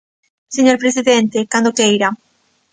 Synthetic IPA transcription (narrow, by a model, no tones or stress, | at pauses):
seɲoɾpɾesiðent̪ekand̪okejɾa